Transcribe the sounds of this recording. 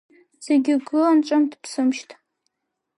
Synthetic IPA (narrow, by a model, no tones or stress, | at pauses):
z̥eɡʲɪɡɨlant͡ʃʷʼamtʰʼpʰsɨmʃtʰʼ